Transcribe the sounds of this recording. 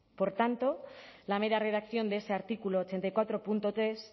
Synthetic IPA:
po̞ɾt̪ant̪o̞lame̞ɾare̞ðakθjo̞nd̪eese̞aɾt̪ikuloːt͡ʃe̞nt̪ajkwat̪ɾo̞punt̪o̞t̪ɾe̞s

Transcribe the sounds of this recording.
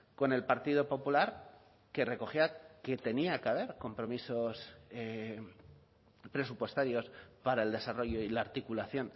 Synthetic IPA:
ko̞ne̞lpaɾt̪iðo̞po̞pulaɾ | ke̞re̞ko̞xiake̞t̪e̞niakeaβ̞e̞ɾko̞mpɾo̞miso̞se | pɾe̞supwe̞st̪aɾjo̞spaɾae̞ld̪e̞saro̞ʝo̞ilaaɾt̪ikulaθjo̞n

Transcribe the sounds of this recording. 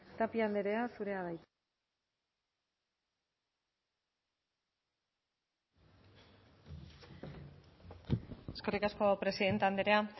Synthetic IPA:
t̪apiand̪eɾe̞asuɾe̞aðajt̪ | eske̞rikasko̞pɾe̞siðe̞nt̪eand̪eɾe̞a

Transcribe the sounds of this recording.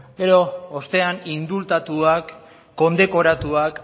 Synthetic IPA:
ɡe̞ɾo̞ːst̪e̞anind̪ult̪at̪uakː | o̞nd̪e̞ko̞ɾat̪uak

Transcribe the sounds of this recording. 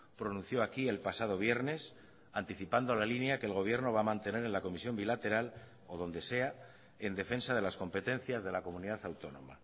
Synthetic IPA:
pɾo̞nũnθjo̞akie̞lpasaðo̞β̞je̞ɾne̞s | ant̪iθipand̪oalalinjake̞ːlɣ̞o̞βje̞ɾno̞β̞amãnt̪e̞ne̞ɾe̞nlako̞misjo̞mbilat̪e̞ɾal | o̞ð̞o̞nd̪e̞se̞a | e̞nd̪e̞fe̞nsað̞e̞lasko̞mpe̞t̪ẽ̞n̟θjazðe̞lako̞mũniðaθawt̪o̞nõ̞̰ma̰

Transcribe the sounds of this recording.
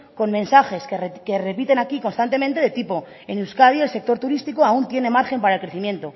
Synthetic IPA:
ko̞nmẽ̞nsaxe̞skerkere̞pit̪e̞nakikonst̪ant̪e̞ment̪e̞ðet̪ipo̞ | enewskað̞ie̞lse̞k̚t̪oɾt̪uɾist̪ikoaunt̪je̞ne̞maɾxe̞mpaɾaelkɾe̞θimjẽ̞nt̪o̞

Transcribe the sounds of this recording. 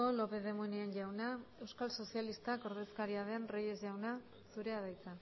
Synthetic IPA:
o̞lo̞pe̞ðe̞munianʝawnae̞wskalso̞sijalist̪ako̞ɾðe̞skaɾiaðe̞nreje̞zʝawna | suɾe̞aðajt͡sa

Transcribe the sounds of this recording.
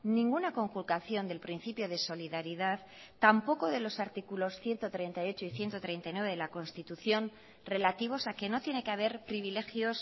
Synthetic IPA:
nĩŋɡunako̞ŋkulkaθjo̞nd̪e̞lpɾin̟θipjo̞ð̞e̞so̞liðaɾiðaðː | ampo̞ko̞ðe̞lo̞saɾt̪ikulo̞sθje̞nt̪ot̪ɾe̞jnt̪ajo̞t͡ʃoiθje̞nt̪o̞t̪ɾe̞jnt̪ajnweβe̞ðelako̞nst̪it̪uθjo̞n | re̞lat̪iβ̞o̞sake̞no̞t̪je̞ne̞keaβ̞e̞ɾpɾiβile̞xjo̞s

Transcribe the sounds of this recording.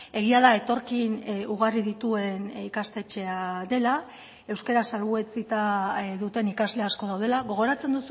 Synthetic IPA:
e̞ɣ̞iaðae̞t̪o̞ɾkinuɣ̞ariðit̪ue̞nikast̪e̞t͡ʃe̞aðe̞la | e̞wske̞ɾasalβue̞t͡sit̪aðut̪e̞nikazle̞asko̞ð̞awðe̞laɣo̞ɣ̞o̞ɾat͡se̞nd̪usu

